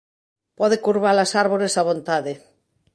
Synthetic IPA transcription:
pɔð̞ekuɾβalasaɾβoɾesaβ̞ont̪aðe

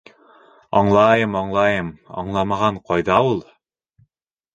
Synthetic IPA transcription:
ɑɴlˠɑjɤmɑɴlˠɑjɤmɑ̰ɴlˠɑmɑʁɑɴqɑjðɑulˠ

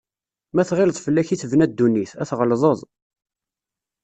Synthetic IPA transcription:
mæθʁɪlðˤfəlːæçiθvnæd̪ːunːiθæθʁəlðˤəðˤ

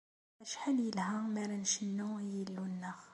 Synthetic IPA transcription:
æʃħaljəlhæmæɾænʃənːujəlːunːæx

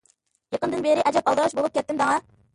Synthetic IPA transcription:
jeqənd̪ɨnbeɾɪʔɛd͡ʒɛpɑlˠd̪ɑʁɑʃbolˠup̚kʲɛt̪ːɪmd̪ɑŋɑ

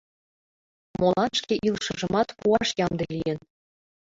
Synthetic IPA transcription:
molˠɑnʃkeʔilˠʃɤ̆ʒɤ̆mɑt̪puɑʃjɑmd̪elʲijĕn

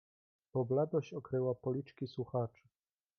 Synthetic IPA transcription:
pɔblad̪ɔɕɔkɾɘwapɔlʲit͡ʂkʲiswuxat͡ʂɘ̥

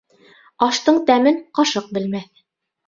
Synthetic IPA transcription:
ɑʃt̪ɤɴt̪æmɘnqɑʃɤq̚bɘ̆lmæθ

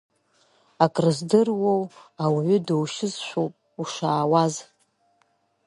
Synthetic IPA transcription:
akʼrɨzdɨrwowawʕʷʊdowʃɪzʃʷᶣowpʼ | uʂaːwaz

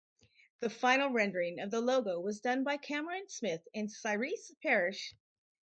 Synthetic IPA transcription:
ðɨfãɪ̃nl̩ˠɹɛ̃ndə˞ɪ̃ŋʌvðəloʊɡoʊwʌzdʌ̃nbaɪkʰæmə˞ɨ̃nsmɪθɨ̃nsaɪɹispʰɛɹɪʃ

